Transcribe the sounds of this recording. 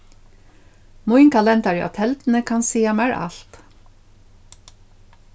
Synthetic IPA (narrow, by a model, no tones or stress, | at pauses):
mʊʏŋkʰɑlɛnt̪ɑɾiːʔɑ̰t̪ʰɛlt̪n̩əkʰɑnsiːɑmæɹʔɑ̰lt̪